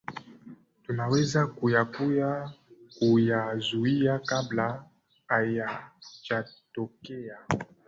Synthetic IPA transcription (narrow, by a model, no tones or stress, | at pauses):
tunawɛzakujakujakujazuiakabla | ajat͡ʃatɔkɛa